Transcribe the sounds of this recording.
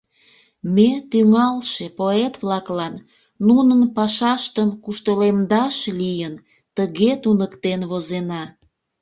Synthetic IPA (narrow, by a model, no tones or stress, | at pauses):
met̪yŋɑlʃepoet̪βlɑklɑnː | unənpɑʃɑʃt̪əmkuʃt̪əlemd̪ɑʃlijən | t̪əɣet̪unəkt̪enβozenɑ